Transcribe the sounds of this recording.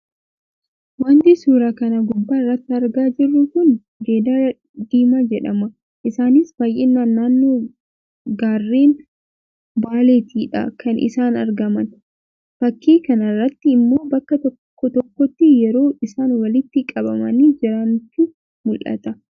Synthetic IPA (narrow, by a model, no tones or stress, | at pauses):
waːnt̪ɪsuːɾaːkɐnɐɡʊbːaːrːɐt̪ːɪɐɾɡaːd͡ʒɪrːʊkʊn | d͡ʒeːd̪aː | d̪iːmad͡ʒɛᶑɐmɐ | ʔɪsaːnɪsbaːjʔenːaːnːaːnːoː | ɡaːrːeːn | baːleːt̪ʰiːᶑɐ̰kɐnʔɪ̰saːnɐɾɡɐmɐn | fɐkːiːkɐnɐrːɐt̪ːɪːmːo̞ːbɐkːɐt̪ɔː | ɔt̪ɔkːɔt̪ːɪjɛɾo̞ːɪsaːnwɐlɪt̪ːɪkʼɐbɐmɐ̰niːd͡ʒɪɾɐntːɪ | mʊlʔɐ̰t̪ɐ